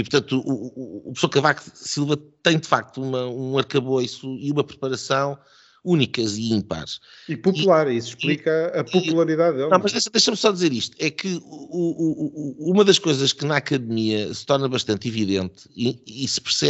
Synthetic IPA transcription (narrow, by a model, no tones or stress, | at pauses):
ipʊɾt̪ɐ̃nt̪uʔuːpsoɐkɐvaksilˠvɐt̪ɐ̃j̃d̪ɨfak̚t̪uumɐũɐɾkɐβojsuiumɐpɾɨpɐɾɐsɐ̃w̃ | unikɐiĩmpa̰ɾʃipupulˠaɾisuʃplˠikɐɐpupulˠɐɾiðaððelˠnɐ̃w̃mɐʒðejʃd̪ejʃɐmsɔdðizeɾiʃt̪u̥ɛkʰɨuuuumɐðɐʃkojzɐʃkɨnɐakɐðmiɐsɨ̥t̪ɔɾnɐβɐʃt̪ɐ̃nt̪iviðẽnt̪iːsɨ̥pɨɾsɛ